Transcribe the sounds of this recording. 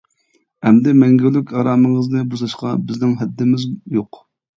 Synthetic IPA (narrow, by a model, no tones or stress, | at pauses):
ɛmd̪ɛmɛŋɡʲylˠykʲɑɾɑːməŋəznɨbuʃlˠɑʃqɑ̰bɪznɪŋɦɛd̪ːɪmɪzjoq